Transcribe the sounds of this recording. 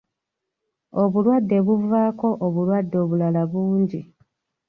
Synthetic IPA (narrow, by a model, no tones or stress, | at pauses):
o̞βulwadːe̞βuvaːko̞ʔoβulwadːo̞βulalaβuːɲɟi